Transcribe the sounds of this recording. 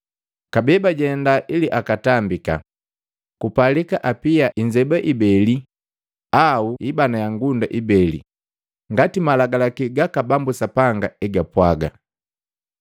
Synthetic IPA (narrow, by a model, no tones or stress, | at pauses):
kabɛbaɟɛndaʔiliʔakatambika̰ | kupalikaʔapiaʔiɲd͡ʒɛbaʔibɛli | auibanajaŋɡundaʔibɛlḭ | ŋɡatimalaɡalakiɡakabambusapaŋɡaɛɡapwaɡa̰